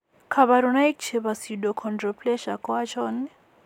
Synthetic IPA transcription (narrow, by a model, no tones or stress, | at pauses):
kʰaβaɾunaikt͡ʃʰeβasidɔkʰɔndrɔpʰʼlɛʃakʼɔat͡ʃʰɔːnɛ